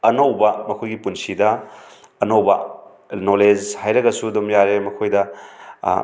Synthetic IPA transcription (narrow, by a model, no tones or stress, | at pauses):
ɐnowbɐmɐkʰojɡipunsidɐː | nowbɐ | noled͡ʒhajɾɐɡɐsuɐdomjaɾemɐkʰojdɐ̰